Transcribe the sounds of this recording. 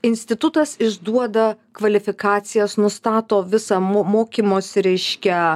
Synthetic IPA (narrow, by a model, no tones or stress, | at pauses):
ɪnʲsʲt̪ʲɪt̪ʊt̪ɐsɪʒd̪uɔd̪ɐkʋɐlʲɪfʲɪkɑːt̪sʲɪjɛsnʊst̪ɑːt̪oːʋʲɪsɐmoːmoːkʲiːmoːsʲɪɾʲɛɪʃʲkʲɛ